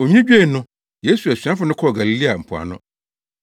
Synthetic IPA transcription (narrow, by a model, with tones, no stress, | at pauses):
o˨ɲĩ˦d͡ʑᶣe˦˨nʊ̃˦ | je˦su˨æ˨sɥã˦fʊ˨˦nʊ̃˦kʰɔ˦˨ɡa˨li˨li˦a˨m̩˨pʰʊ˨a̰˨nʊ̰̃˦